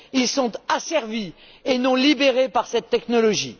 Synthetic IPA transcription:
ilsɔ̃t̪asɛʁvi | enɔ̃libeʁepaʁsɛt̪ːɛknɔlɔʒḭ

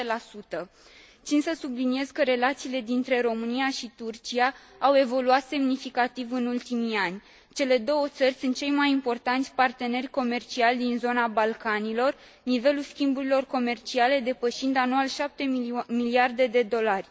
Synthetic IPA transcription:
elasut̪ə | t̪sinsəsublinie̞zkəɾe̞lat̪siːle̞d̪int̪ɾe̞ɾo̞mɨniaʃit̪urt͡ʃiaː | we̞vo̞luat̪se̞mnifikat̪ivɨnult̪imianʲ | t͡ʃe̞le̞d̪o̞wət̪sərʲsunt̪̚t͡ʃe̞jmajimpo̞rt̪ant̪ʲpart̪e̞ne̞rʲko̞me̞rt͡ʃialʲd̪inzo̞nabalkanilo̞r | nive̞lulskʲimbuɾilo̞rko̞me̞rt͡ʃiale̞d̪e̞pəʃind̪anualʃap̚t̪e̞miliard̪e̞d̪e̞d̪o̞larʲ

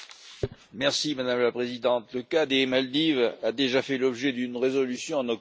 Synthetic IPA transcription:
mɛʁsimad̪amlapχezid̪ɑ̃t̪ləkad̪emald̪ivad̪eʒafɛlɔbʒɛd̪ynʁezɔlysjɔ̃ɑ̃nɔ

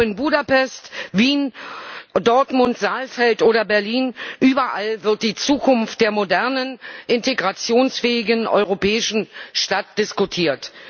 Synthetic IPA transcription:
ɪnbuːdapɛstviːn | dɔɐtmʊntz̥aːlfɛltʔoːɾɐbɛɐliːnʔyːbɐʔalvɪɐt̚d̥iːt͡suːkʰʊnft̚d̥eːɐmodɛɐnənʔɪnteɡʁat͡sjoːnsfɛːɪɡənʔɔ̰ʏʁopɛːɪʃn̩ʃtat̚d̥ɪskutʰiːɐt

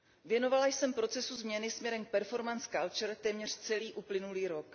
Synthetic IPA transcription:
vjɛno̞valajsɛmpɾo̞t͡sɛsuzmɲɛnɪsmɲɛɾɛmk̚pɛɾfo̞ɾmanskalt͡ʃɛɾt̪ɛːmɲɛr̝̥t͡sɛliːʔuplɪnuliːɾo̞k

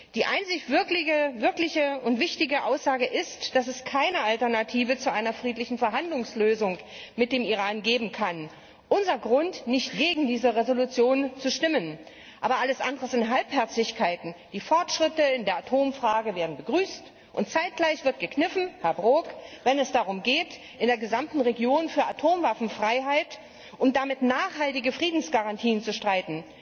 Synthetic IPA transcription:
d̥iːʔaɪnt͡sɪçv̥ɪɐklɪɡəvɪɐklɪçəʊntv̥ɪçtɪɡəʔaʊsz̥aːɡəʔɪstd̥asɛskʰaɪnəaltɛɐnatʰiːvət͡suʔaɪnɐfʁ̥iːtlɪçn̩fɛɐɦandlʊŋsløːzʊŋ | mɪt̚d̥eːmiʁaːnɡeːbm̩kʰan | ʔʊnzɐɡʁʊntnɪçtɡ̥eːɡŋ̩diːzəʁezolut͡sjoːnt͡suʃtɪmən | ʔaːbɐʔaləsʔandəʁəzɪntɦalphɛɐt͡sɪçkʰaɪtn̩d̥iːfɔɐtʃʁ̥ɪtəɪndeːɐatʰoːmfʁ̥aːɡəveːɐdn̩bəɡʁyːst | ʔʊnt̚t͡saɪt̚ɡ̥laɪçv̥ɪɐt̚ɡ̥əknɪfn̩hɛɐbʁoːkvɛnɛsd̥aʁ̞ʊmɡeːt | ʔɪndeːɐɡəzamtn̩ʁeɡjoːnfyːɐʔatʰoːmvafn̩fʁ̥aɪɦaɪt | ʔʊmd̥amɪtnaːχhaltɪɡəfʁ̥iːdn̩sɡ̥aʁantʰiːənt͡suʃtʁ̥aɪtn̩

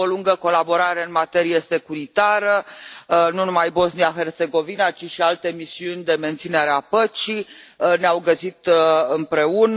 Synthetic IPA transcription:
oluŋɡəko̞labo̞ɾaɾe̞ɨnmat̪e̞ɾijese̞kuɾit̪aɾə | nunumajbo̞zniaxe̞rt̪se̞ɡo̞vinat͡ʃiʃialt̪e̞misiunʲd̪e̞me̞nt̪sine̞ɾeapət͡ʃineawɡəsit̪ɨmpɾe̞un

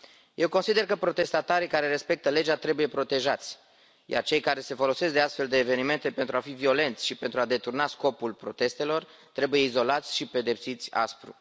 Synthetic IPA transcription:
jʔe̞wkonsid̪erkəpɾo̞t̪e̞st̪at̪aɾikaɾe̞ɾe̞spe̞k̚t̪əle̞d͡ʒat̪ɾe̞buje̞pɾo̞t̪e̞ʒat̪sʲ | ja̰rt͡ʃe̞jkaɾe̞se̞fo̞lo̞se̞sk̚d̪east̪fe̞ld̪e̞ːve̞nime̞nt̪e̞pe̞nt̪ɾuafivio̞le̞nt̪sʲʃipe̞nt̪ɾuad̪e̞t̪urnasko̞pulpɾo̞t̪e̞st̪e̞lo̞r | t̪ɾe̞buje̞izo̞lat̪sʲʃipe̞d̪e̞psit̪sʲa̰spɾṵ

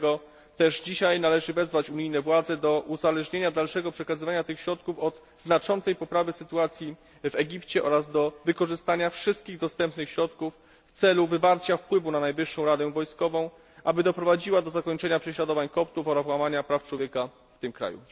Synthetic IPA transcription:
ɡɔ | t̪ɛʐd͡ʑiɕajnalɛʐɘvɛzvat͡ɕuɲijnɛvwad̪zɛd̪ɔʔuzalɛʐɲeɲad̪alʂɛɡɔpʂɛkazɘvaɲat̪ɘxɕɾɔt̪̚kufɔd̪ | znat͡ʂɔnt̪sɛjpɔpɾavɘsɘt̪uat̪sʲji | vɛɡʲipt͡ɕɛʔɔ̰ɾazd̪ɔvɘkɔʐɘst̪aɲafʂɘst̪̚kʲiɣd̪ɔst̪ɛmpnɘxɕɾɔt̪kufː | t̪sɛluvɘvaɾt͡ɕafpwɘvunanajvɘʂːɔ̃w̃ɾad̪ɛvɔjskɔvɔ̃w̃ | ʔabɘd̪ɔpɾɔvad͡ʑiwad̪ɔzakɔɲt͡ʂɛɲapʂɛɕlad̪ɔvaɲkɔp̚t̪ufɔɾapwamaɲapɾaft͡ʂwɔvʲjɛka | ft̪ɘmkɾa̰jṵ

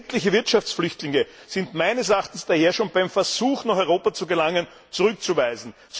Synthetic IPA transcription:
tlɪçəvɪɐtʃaft͡sflʏçtlɪŋə | z̥ɪntmaɪnəsɛɐaχtn̩sd̥aheːɐʃoːnb̥aɪmfɛɐz̥uːxnaχɔʏʁoːpat͡suɡəlaŋən | t͡suʁʏkt͡suvæɪzn̩ | s

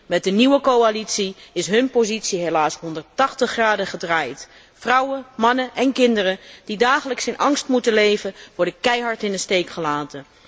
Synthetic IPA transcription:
mɛt̚dəniwəkowalitsiɪsɦɵnpozitsiɦejlaːsɦɔndəɹtɑχtəχraːdəχədraːjt | frʌwəmɑnəʔɛnkɪndərəd̥idaːχələksɪnʔɑŋstmutəlejvənʋɔɹdəkɛjɦɑɹtɪnəstejkχəlaːtən

